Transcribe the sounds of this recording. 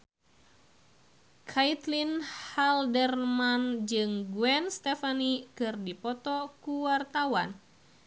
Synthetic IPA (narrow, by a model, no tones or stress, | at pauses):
kʰait̪linhaldɛrmand͡ʒɨŋɡuɛnst̪ɛfanikɨrdipɔt̪ɔkuwart̪awan